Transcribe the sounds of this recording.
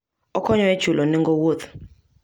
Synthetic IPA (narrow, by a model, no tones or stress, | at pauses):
ɔkʰɔɲɔɛd̥ʒ̥ʱulʔɔniŋɡowot̪